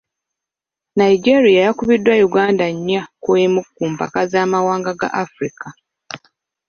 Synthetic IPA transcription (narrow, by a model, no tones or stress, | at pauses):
naid͡ʒeɾijajakuβidːwajuɡaːndaɲːakuemukːuːmpa̰kazaːmawaːŋɡaɡa̰ʔafɾikʰa